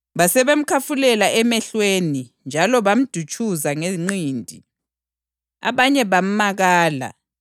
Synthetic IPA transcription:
βasɛβem̩kʰafulɛlaʔɛmɛɬwenind͡ʒʱalɔβam̩d̥ʱut͡ʃʼuzaŋeŋ͡ǀiːndʱi | a̰βaɲɛβam̩maɣaːla̰

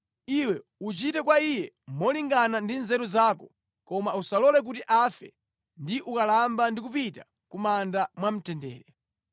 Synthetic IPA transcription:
iwɛut͡ʃitɛkwaijɛ | mɔliŋɡanandinzɛɾuzaːkɔ | kɔmausalɔlɛk̬utiʔafɛ | ndiʔukalambandik̬upita | kumandamwam̩tʰɛndɛ̰ːɾɛ

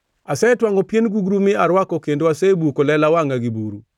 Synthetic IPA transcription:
asɛtwaŋɔpjenɡuɡɾumɪaɾwakɔkendoasɛbukolɛlawaŋaɡibuɾu

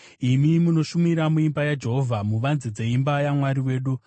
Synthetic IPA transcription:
imimuno̞ʃumiɾamuimbajad͡ʒe̞ɦo̞vʱamuʋanzid͡zeimbajamwaɾiwe̞ːɗu

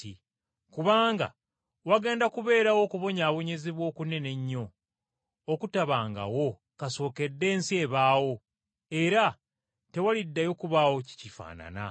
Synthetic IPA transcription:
i | kuβaːŋɡa̰ | waɡe̞ːndakuβe̞ːɾawo̞kuβo̞ɲaːβo̞ɲe̞ziβwo̞ːkune̞ne̞ɲːo̞ː | kutaβaːŋɡa̰wo̞ | kaso̞ːke̞dːe̞ːnsie̞ːβaːwo̞ | e̞ɾa | te̞walidːajo̞kuβaːwo̞ci̥cifa̰ːna̰na̰

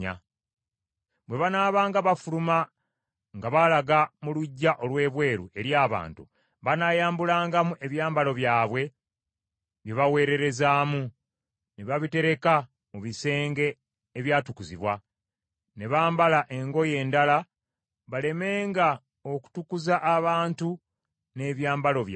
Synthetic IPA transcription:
a̰ | bwe̞βanaːβaːŋɡaβafuluma | ŋɡaβalaɡamuluɟːaʔo̞lwe̞ːβwe̞ːɾuʔe̞ɾjaːβa̰ːntṵ | βanajaːmbulaːŋɡamuʔe̞βjaːmbalo̞βjaːβwe̞ | βjeβawe̞ːɾe̞ɾe̞zaːmu | neβaβite̞ɾe̞ka | muβise̞ːŋɡe̞ː | βjaːtukuziβwa | ne̞βaːmbalaʔe̞ŋɡo̞je̞ːndala | βale̞me̞ːŋɡa | o̞ku̥tukuzaʔːβaːntu | ne̞βjaːmbalo̞βj

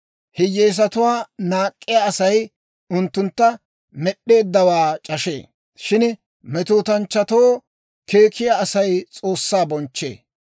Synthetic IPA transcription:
hɪjeːs̬ɐt̪ʊwaːnaːkʼːɪjaʔɐsɐj | ʊnt̪ːʊnt̪ːɐ | mɛɗːe̞ːd̪ːɐwaːt͡ʃʼɐʃḛː | ʃɪn | mɛt̪uːt̪ɐnt͡ʃːɐt̪oː | ke̞ːkʰɪjaːsɐjt͡sʼo̞ːsːaːbɔnt͡ʃːḛː

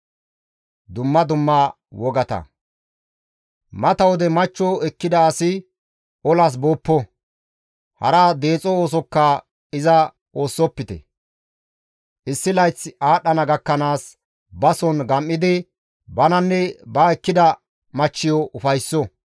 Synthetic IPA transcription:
d̪ʊmːɐd̪ʊmːa | wɔɡɐt̪ɐ̰ | mɐt̪ɐwɔd̪ɛmɐt͡ʃːɔɛkːɪd̪ɐːsɪ | ɔlas̬boːpːɔ | hɐ̰ɾad̪e̞ːt͡sʼɔoːsɔkːɐ | ɪzɐ | o̞ːsːɔpːɪt̪ɛ̰ | ʔɪsːɪlɐjt͡sːaːɗɐnɐɡɐkːɐnaːs | bɐsɔnɡɐmʔːɪd̪ɪ | bɐnɐnːɛbaɛkːɪd̪ɐ | mɐt͡ʃːɪjɔʔʊfɐjsːɔ

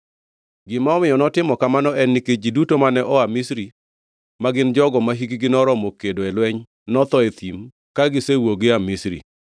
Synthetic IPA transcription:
ɡɪmaɔmɪjɔnɔtɪmɔkamanɔʔɛnːiked͡ʒidutomanɛʔɔamisɾi | maɡɪnd͡ʒɔɡɔmaɦikɡɪnɔɾɔmɔkedoɛlwɛɲ | nɔt̪ɔet̪im | kaɡɪsewoɡɪamisɾḭ

